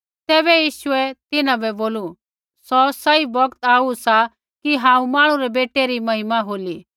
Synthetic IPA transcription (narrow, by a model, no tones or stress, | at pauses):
t̪ɛːbɛjiːʃʊɛt̪ɪnãbɛboːlu | sɔsɐibɐkt̪aːusa | kiɦãːũmãːɽ̃ũɾɛbeːʈeɾimɐɦɪmaɦoːli